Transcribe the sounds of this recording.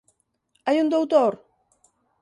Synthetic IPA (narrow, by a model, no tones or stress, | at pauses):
ajund̪owt̪oɾ